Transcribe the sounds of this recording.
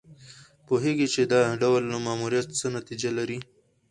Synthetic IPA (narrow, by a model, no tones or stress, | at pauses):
poɦeɡit͡ʃed̪ɑɖawlːamamuɾijat̪t͡sənat̪id͡ʒalaɾi